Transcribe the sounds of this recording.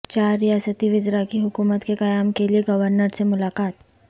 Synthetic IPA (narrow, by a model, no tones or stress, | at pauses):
t͡ʃaːɾːijaːsət̪iʋɪd͡ʒɾakiɦʊkuːmət̪kekɐjaːmkelieɡɐʋəɾnəɾsemʊlaːkaːt̪